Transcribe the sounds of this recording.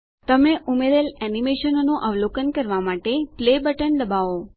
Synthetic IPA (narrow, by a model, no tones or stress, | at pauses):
t̪əmeʔumeɾelɛnimeʃənonõʔəʋlokənkəɾʋamaʈeplebəʈəɳd̪əbao